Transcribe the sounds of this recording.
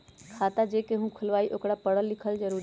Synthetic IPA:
kʰaːt̪ad͡ʒeːkeɦũkʰʊlʋaːiʔokɽapəɽəlːɪkʰəlzəɾuː

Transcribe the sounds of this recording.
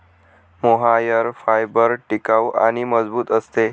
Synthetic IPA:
moɦajəɾfajbəɾʈikaʋa̰ɽ̃iməd͡zbuːt̪əst̪e

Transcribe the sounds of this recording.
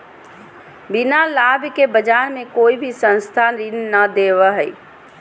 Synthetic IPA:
bɪnalaːbkebɐd͡ʒaːnmẽkoːibʱisə̃nst̪ʰanɾɪnnəd̪eːʋaɦɛː

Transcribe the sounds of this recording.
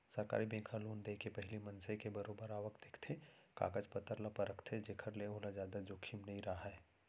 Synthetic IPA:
sɐɾka̰ːɾibẽːkʰaloːnd̪eːkepɛɦlimɐ̃nsekebɐɾoːbəɾaːʋəkt̪ekʰt̪ʰeka̰ːɡəd͡ʒpɐt̪ːəɾlapɐɾəkʰt̪ʰed͡ʒeːkʰəɾleɦoːlad͡ʒjaːd̪ad͡ʒoːkʰimnɐɦĩɾaɦaɦɛː

